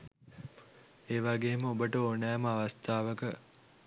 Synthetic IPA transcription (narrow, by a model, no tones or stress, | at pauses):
eːʋaɡeːməobəʈəonɛːməaʋast̪aːʋəkə